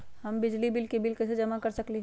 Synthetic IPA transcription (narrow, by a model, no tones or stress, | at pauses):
ɦɐmbɪd͡ʒlibɪlkebɪlkesed͡ʒɐmakɐɾsɐkliɦ